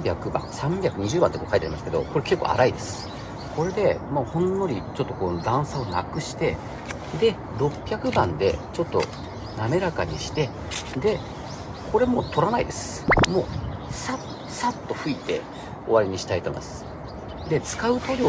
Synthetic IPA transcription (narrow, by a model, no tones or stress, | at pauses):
bʲakɯ̟bã̰sãmbʲjakɯ̟ɲ̟iʑɨːbãnt̪kokait̪eaɾʲimasɨ̥ke̞d̪o̞̰ko̞ɾe̞ke̞kːo̰a̰ɾaid̪e̞sɨ̥ | ko̞ɾe̞d̪e̞moːhõ̞nːo̞ɾʲit͡ɕo̞t̪ːo̞ko̞ːd̪ãɰ̃sao̞nakɯ̟ɕi̥t̪e̞ | d̪e̞ | ɾo̞pʲːjakɯ̟bãnd̪e̞̰t͡ɕo̞t̪ːo̞̰ | name̞ɾakaɲ̟iɕi̥t̪e̞ | d̪e̞ | ko̞ɾe̞mo̞ːt̪ʰo̞ɾanaḭd̪e̞sɨ̥ | mo̞ːsa | sat̪ːo̞ɸɯ̟it̪e̞̰ | o̞βaɾʲiɲ̟iɕi̥t̪ait̪om̰d̪esɨ̥ | d̪e̞t͡sɨ̥kaɯ̟t̪oɾʲi